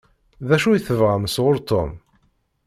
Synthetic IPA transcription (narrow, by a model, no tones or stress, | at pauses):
ðæʃujθəvʁamsʁʊɾt̪ʰo̰m